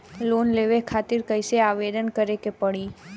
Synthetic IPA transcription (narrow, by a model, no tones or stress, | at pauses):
lonleʋekʰat̪iɾkəjseaʋed̪ənkəɾekepəɽi